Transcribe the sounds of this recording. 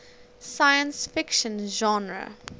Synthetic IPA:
sajə̃nsfɪkʃə̃nʒɔ̃nɹə̰

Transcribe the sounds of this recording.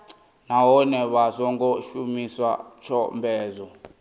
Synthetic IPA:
nawɔnɛβasɔŋɡɔʃumiswa̰t͡ʃʰɔmbʱɛːzɔ

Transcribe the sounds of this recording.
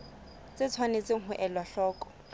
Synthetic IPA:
t͡sʼɪt͡sʰwanet͡sɪŋ̩ɦʊʔɛlwaɬɔːkʼɔ̥

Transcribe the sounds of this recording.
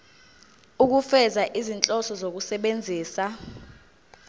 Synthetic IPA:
uk̬ufɛzaʔizint͡ɬʼɔsɔzok̬usɛɓend͡zʱiːsa

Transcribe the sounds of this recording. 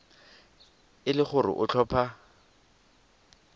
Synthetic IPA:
ɪlɪχʊrɪ̰ʔʊt͡ɬʰɔːpʰa

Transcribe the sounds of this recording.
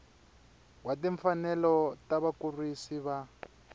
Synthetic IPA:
watiɱfanɛlɔtaβakurisiβa

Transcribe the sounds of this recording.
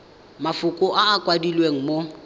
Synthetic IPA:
mafʊkʼʊʔaːkʼwadilweŋ̩mo

